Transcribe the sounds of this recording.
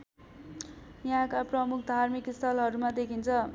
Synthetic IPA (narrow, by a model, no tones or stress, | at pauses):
jɦãkaprʌmukʰd̪ʱarmikst̪ʰʌlɦʌɾumad̪ekʰint͡sʰʌ